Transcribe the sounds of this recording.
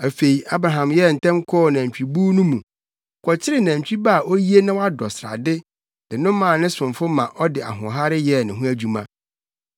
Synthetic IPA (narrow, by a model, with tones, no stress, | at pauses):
æ˨fe˨i˨ʔa˦bɾa˨ɦã˨mjɛ˦˨n̩˨tʰɛ̃˦ŋ˦kʰɔː˦˨nã˨ɲ˨t͡ɕᶣi˨buː˦nʊ̃˦mũ˨ | kʰɔ˨t͡ɕʰɪ˦ɾɪ˦nã˨ɲ̩˨t͡ɕᶣi˦ba˦˨ʔo˦ji˦e˦nɪ̃˦wa˦dɔ˨sɾa̰˨dɪ˦ | dɪ˨nʊ̃˦mã˨nɪ̃˦sʊ̃˨nfʊ˦mã˨ʔɔ˦dɪ˨a̰˨ɦʊ̃˨ɦa˦ɾɪ˦jɛ˦˨nɪ̃˨ɦũ˦æ˦d͡ʑᶣu˦mã˦